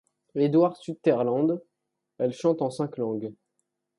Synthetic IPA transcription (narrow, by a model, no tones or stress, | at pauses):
ed̪waʁsyd̪̚t̪ɛʁlɑ̃d̪ | ɛlʃɑ̃t̪ɑ̃sɛ̃klɑ̃ɡ